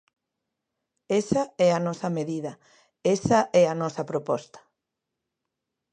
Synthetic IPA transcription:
esɐɛɐnɔsɐmeðiðɐ | esɐʔɛɐnɔsɐpɾopɔst̪ɐ̥

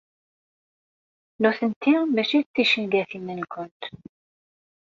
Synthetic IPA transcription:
nuθənt̪ːimæʃit͡s̪ːiʃənɡæθimːənkʷʊnt̪

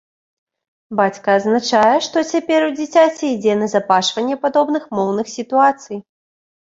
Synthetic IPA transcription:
bat͡sʲkɐːznat͡ʂajɛʂt̪ɔt͡sʲapʲɛɾud͡zʲit͡sʲat͡sʲɛid͡zʲɛnɐzapaʂvɐnʲːɛpad̪ɔbnɨxmɔwnɨxsʲit̪uat̪sɨj

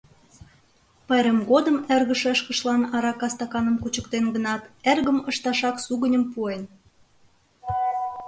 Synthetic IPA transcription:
pɑɾəmɣod̪əmerɣəʃeʃkə̆ʃlɑnɑɾɑkɑst̪ɑkɑnəmkut͡ɕəkt̪enɡənɑt̪erɣəməʃt̪ɑʃɑksuɣənʲə̆mpuen

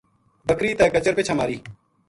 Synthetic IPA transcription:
bəkɾiːt̪ɛːkət͡ʃəɾpɪt͡ʃʰəmaːɾiː

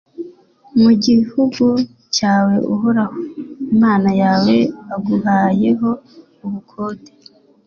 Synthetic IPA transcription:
muɟihuɡu | caːwe̞ʔuɦoɾahoimaːnajaːwe̞aɡuhaːje̞ɦo̞ | uβukʰoːte

